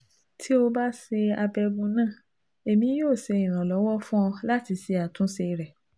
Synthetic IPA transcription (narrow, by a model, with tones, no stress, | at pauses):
tʰi˦o˧ba˦se˧a˧bɛ˧ɡũ˧nãː˦˨ | e˨mĩ˧˦joː˦˨se˨˧ĩ˨ɾ̃ã˨lɔ˨˦wɔ˦fũ˦ɔ˧la˦ti˧si˧a˨tũ˦se˧ɾɛ˨